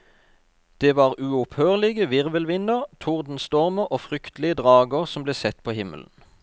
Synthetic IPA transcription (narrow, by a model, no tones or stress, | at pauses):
d̪̥eːʋɑːʁʉːʊphøːʁlɪɡəʋɪʁʋəlʋɪnəʁt̪ʰʊʁd̪n̩st̪ɔʁməʁʔoːfʁʏkt̪lɪəd̪ʁɑːɡəʁsɔmbleːsɛt̪pʰoːhɪmə̰ln̩